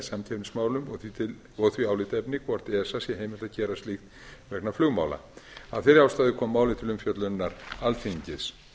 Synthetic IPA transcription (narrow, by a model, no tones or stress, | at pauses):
samt̪ʰɛpnŋsmaːwlʏmθiɪ | ɔɣθviawlɪt̪ɛpnɪkʰvɔɾ̥t̪ɛɛsasjɛheːjmɪl̥t̪acɛːɾast̪lixt̪ | vɛknaflʏɣma̰ːwla̰a̰ðθɛɾaːwst̪aːðɪkʰɔmːaːwlɪt̪ʰɪlʏmfjœt̪lʏnːaɾalθiɲcɪs